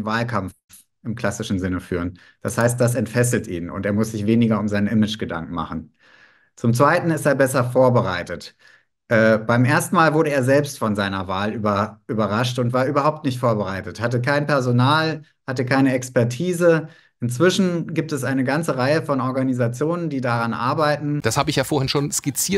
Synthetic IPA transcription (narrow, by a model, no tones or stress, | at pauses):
vaːlkʰam | ʔɪmkl̥asɪʃn̩zɪnəfy̰ːʁ̞ən | d̥ashaɪst̚d̥as̬ɛntfɛs̬l̩tʔḭːnʊ̰nteːɐmʊsz̥ɪçv̥eːnɪɡɐʊmzaɪnʔɪmɪd͡ʒɡ̥əda̰ŋkn̩ma̰χn̩ | t͡sʊmt͡sv̥aɪtn̩ɪsteːɐbɛsɐfoːɐbəʁaɪtət | ʔɛːb̥aɪmʔeːɐstn̩maːlvʊɐɾəeːɐzɛlpstfɔnzaɪnɐvaːlyːbɐʔyːbɐʁaʃtʊntv̥aːɐʔyːbɐhaʊp̚tnɪçtfoːɐbəʁaɪtəthatəkʰaɪnpɛɐzonaːl | hatəkʰaɪnəɛkspɛɐtʰiːzə | ʔɪnt͡sv̥ɪʃn̩ɡiːp̚tɛsʔaɪnəɡant͡səʁaɪəfɔnɔɐɡanizat͡sjoːnəndiːdaʁanʔa̰ɐbaɪtn̩d̥ashaːbəɪçjaːfoːɐhɪnʃoːnskɪt͡siːɐt